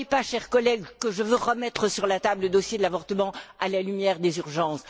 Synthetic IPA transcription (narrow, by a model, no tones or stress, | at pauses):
epaʃɛʁkɔlɛɡkəʒəvøʁəmɛt̪χəsyʁlat̪abləd̪ɔsjed̪əlavɔʁt̪əmɑ̃alalymjɛːʁd̪ezyʁʒɑ̃s